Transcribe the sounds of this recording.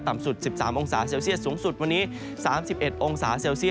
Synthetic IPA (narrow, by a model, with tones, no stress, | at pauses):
t̪a˨˩msu˨˩t̪̚si˨˩p̚saː˩˦mʔo˧ŋsaː˩˦seː˧wsi˥ət̪̚suː˩˦ŋsu˨˩t̪̚wa˧nːiː˦˥ | saː˩˦msi˨˩p̚ʔe˨˩t̪̚ʔo˧ŋsaː˩˦seː˧wsi˥˩